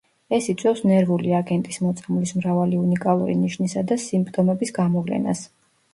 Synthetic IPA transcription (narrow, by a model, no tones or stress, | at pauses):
ɛsit̪sʼwɛfsnɛɾvuliaɡɛnt̪ʼismɔt̪sʼamlismɾavaliunikʼalˠṵɾḭniʃnisad̪asimpʰʼt̪ʼɔmɛbisɡamɔvlɛ̰na̰s